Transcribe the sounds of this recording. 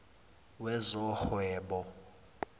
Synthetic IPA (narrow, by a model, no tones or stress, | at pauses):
wɛzɔhwɛːɓɔ